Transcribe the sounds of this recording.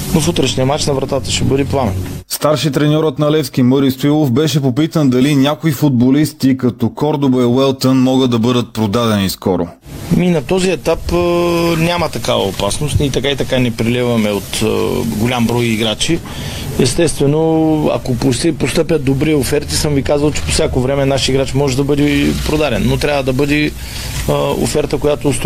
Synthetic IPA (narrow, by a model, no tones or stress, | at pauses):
nofut̪ɾɛʃnijɐmat͡ʃnɐvɾɐt̪at̪əʃɛbɤəd̪ɛplˠanə̰st̪aɾʃit̪ɾɛnʲɔɾət̪nɐlɛfskʲimɤɾisfilˠofbɛʃɛpopit̪ənd̪ɐlinʲjakoifʊd̪̚bolist̪ikɐt̪ɔkɔɾd̪obɛjwɛlˠt̪ənmɔɡəd̪ɐbɤd̪ət̪̚pɾod̪ad̪ɛniskɔɾo̰ | minɐt̪ɔziɛt̪apənʲamət̪ɐkavɐ̰opasnost̪it̪ɐkait̪ɐkanɛpɾilɛvɐmɛot̪ɡolʲambɾɔjiɡɾat͡ʃi | ɛst̪ɛst̪vɛnoɐ̰kopospost̪ɤpʲjɐt̪d̪obɾiofɛɾt̪isɤmvikazvɐlˠt͡ʃɛ̥po̥sʲjakovɾɛmɛnaʃiɡɾat͡ʃmɔʒɛd̪ɐbɤd̪ɛpɾod̪aɾɛnːot̪ɾʲavəd̪ɐbɤd̪ɛ | o̰fɛɾt̪əkojat̪oːst̪